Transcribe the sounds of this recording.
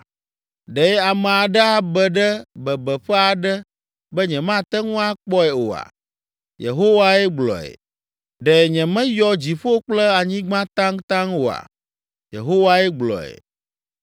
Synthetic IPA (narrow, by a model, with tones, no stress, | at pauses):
ɖɛ˨ɛ˦a˨mɛ̃˨a˨ɖɛ˦a˨bɛ˨ɖɛ˦bɛ˨bɛ˨ɸɛ˦a˨ɖɛ˦ | bɛ˦ɲɛ̃˨mã˦t̪ɛ˦ŋũ˦a˦k͡pɔ˦ɛ˨o˨a̰˨ | jḛ˨ɦo˦wa˦ɛ˦ɡ͡blɔ̰˨ɛ̰˨ | ɖɛ˨ɲɛ̃˨mɛ̃˦jɔ˦d͡ʑi˨ɸo˦k͡plɛ˦a˨ɲĩ˦ɡ͡bã˦t̪ã˦ŋt̪ã˦ŋwo˨a̰˨ | jḛ˨ɦo˦wa˦ɛ˦ɡ͡blɔ̰˨ɛ̰˨